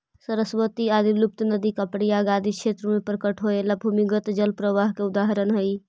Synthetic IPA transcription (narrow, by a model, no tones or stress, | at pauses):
səɾəsʋət̪iad̪ilup̚t̪nəd̪ikəpɽijaɡad̪ʱikʰʃʰet̪ɾəmepɾkəʈɦoelabʱumiɡət̪d͡ʒəlpɾəʋaɦkeud̪aɦɾənɦəj